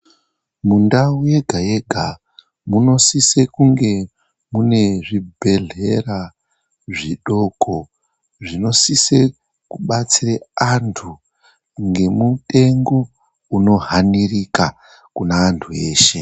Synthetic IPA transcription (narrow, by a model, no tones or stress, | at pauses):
mundauje̞ɡʱaje̞ɡʱa | muno̞sise̞kuŋɡe̞ | mune̞ʐibʱe̞ɮe̞ra | ʐiɗo̞ko̞ | ʐino̞sise̞ | kuɓat͡sireantʰu | ŋɡe̞mute̞ŋɡo | uno̞ɦanirika | kunaːntʰue̞ːʃe̞